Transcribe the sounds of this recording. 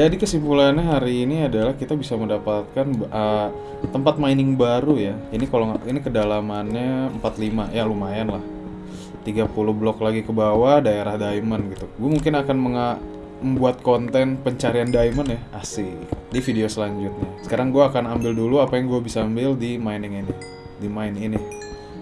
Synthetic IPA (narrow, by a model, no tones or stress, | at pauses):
d͡ʒadikəsimpulanɲaɦaɾiːniadalahkit̪abisaməndapat̪̚kanbə | t̪əmpat̪̚majnɪŋbaɾujainikaloŋinikədalamanɲaəmpat̪limajalumaɛnlah | t̪iɡapuluhblɔklaɡikəbawadaeɾahdaimənɡit̪uɡuamuŋkɪnakanməŋa | məmbuat̪̚kont̪ɛnpəɲt͡ʃaɾiandaimənjahasidifideosəlaɲd͡ʒut̪̚ɲasə̥kaɾaŋɡuaːkanambɪlduluapajaŋɡuabisaːmbɪldimainɪŋini | dimaɪnini